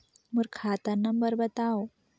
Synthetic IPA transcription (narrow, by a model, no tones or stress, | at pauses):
muɾkʰat̪əɾnəmbəɾbət̪ao